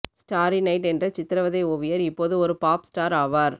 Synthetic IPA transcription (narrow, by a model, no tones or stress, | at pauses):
sʈaːɾinɐɪʈɛndrɐt͡ʃɪt̪ːɪɾɐʋɐðeːɔʋɪjɐɾɪpːoːðɯɔɾɯpaːpsʈaːɾaːʋaːɾ